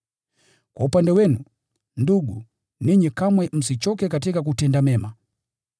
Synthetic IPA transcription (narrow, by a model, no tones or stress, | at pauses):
kwaupandɛwɛnu | nduɡu | niɲɛkamwɛm̩sit͡ʃɔkɛkat̬ikakutɛndamɛma